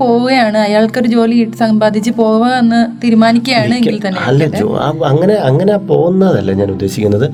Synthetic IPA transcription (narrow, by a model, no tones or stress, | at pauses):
po̞ːɣuɣɐjaːɳɨɐjaːɭko̞ɾud͡ʑo̞ːliiʈːɨsɐmbaːd̪ʱit͡ɕːɨpo̞ːɣuʋɐenːɨt̪iːɾumaːnikʲːɐjaːɳɨeɡilt̪ɐnːeɐlːɐd͡ʑo̰a̰ːɐŋːɐne̞ɐŋːɐneapo̞̰ːɣunːɐðɐlːeɲaːnud̪ːe̞ːɕikʲːunːɐðɨ